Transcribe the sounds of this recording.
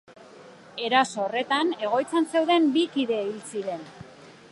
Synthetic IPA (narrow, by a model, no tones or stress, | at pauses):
e̞ɾaso̞ːre̞t̪ane̞ɣ̞o̞jt͡sense̞wðe̞mbikiðe̞ilt͡siɾe̞n